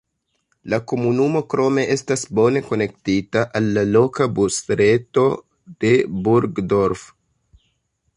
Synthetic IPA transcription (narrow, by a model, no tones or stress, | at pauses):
lako̞munumo̞kɾo̞me̞ʔe̞stasbo̞ne̞ko̞ne̞ktitaʔalːalo̞kabustɾe̞to̞ | d̥e̞buɾɡdo̞ɾf